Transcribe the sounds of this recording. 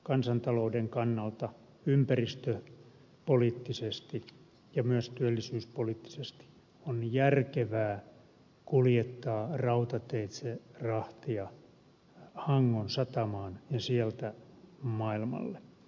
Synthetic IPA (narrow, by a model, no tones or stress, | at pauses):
kɑnsɑnt̪ɑloudeŋkɑnːɑlt̪ɑ | ympærist̪ø | poliːt̪ːisest̪i | jɑmyøst̪yælːisyːspoliːt̪ːi̥sest̪i̥ | onjærkeʋæː | kuljet̪ːɑːrɑut̪ɑt̪eit̪serɑht̪iɑ | hɑŋːonsɑt̪ɑmɑːnjɑsiɛlt̪æmɑilmɑ̰lːe